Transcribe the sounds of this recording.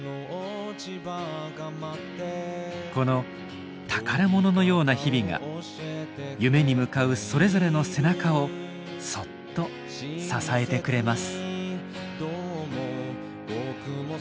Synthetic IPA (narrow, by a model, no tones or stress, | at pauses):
t͡ɕibaɡaat̪ːeko̞no̞ | t̪ʰakaɾamo̞no̞no̞jo̞ːnaçibʲiɡa̰ | jɯ̟me̞ɲ̟imɯ̟kaɯ̟so̞ɾe̞zo̞ɾe̞no̞se̞nakao̞ | so̞t̪ːo̞ | sasae̞t̪e̞kɯ̟ɾe̞masɨ̥ | d̪omo | bokɯ